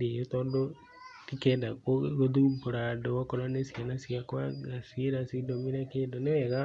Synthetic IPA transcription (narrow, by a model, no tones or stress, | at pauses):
ndijot̪oːndo | kikeːndaoɣoðubuɾadookoɾanesianasiakwaɡasiɾasidominakeːndoneweɣa